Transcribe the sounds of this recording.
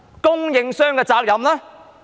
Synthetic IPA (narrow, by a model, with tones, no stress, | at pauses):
kʊ˥ŋjɪ˨˧ŋsœː˥ŋkɛː˧t͡saː˧k̚jɐ˨mlɛː˥